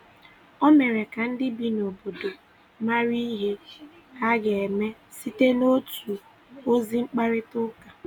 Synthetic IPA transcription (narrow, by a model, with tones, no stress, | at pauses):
o˦me˨ɾe˨ka˨n̩˦dɪ˦bi˨no˨bo˨do˨ | ma˦ɾi˦ɦe˦ | ka˦ɡe˨e˨me˦ | si˦te˦no˦tu˨ | o˦zi˦ŋ͡m̩˦k͡pa˦ɾɪ˦tʊ˦ka˨